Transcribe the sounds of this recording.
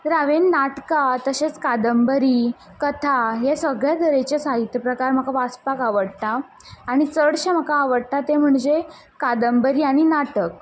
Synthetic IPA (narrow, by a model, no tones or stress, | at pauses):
ɾaʋenːaʈkat̪əɕet͡skad̪əmbəɾiː | kət̪ʰaɦesəɡɭjad̪əɾet͡ɕasaɦit̪jəpɾəkaɾm̤əkaʋaspakaʋəɽt̪aː | ɽ̃it͡səɽɕam̤əkaːʋəɽt̪at̪em̤əɳd͡ze | kad̪əmbəɾiːaɽ̃inaʈək̚